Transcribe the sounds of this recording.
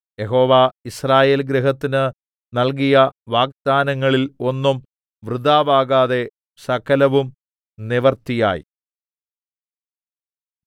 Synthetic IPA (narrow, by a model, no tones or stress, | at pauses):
je̞ɦo̞ːʋaːisraːje̞ːlɡɾeɦɐt̪ːinɨ | nɐlk̬ijɐʋaːk̚d̪̥aːnɐŋːɐɭilo̞nːum | ʋrɨd̪aːʋaːɣaːðe̞ | sɐkʰɐlɐʋum | niʋɐrt̪ija̰ːjḭ